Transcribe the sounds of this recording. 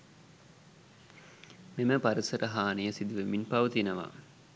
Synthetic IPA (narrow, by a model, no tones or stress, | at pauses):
meməpaɾəsɐɾəɦaːnijəsid̪uʋəminpɐʋut̪inəʋa̰